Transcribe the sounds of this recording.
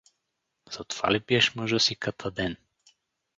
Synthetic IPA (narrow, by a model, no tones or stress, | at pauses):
z̥ɐt̪o̥va̰libiɛʃmɤʒəsikat̪ʰəd̪ɛn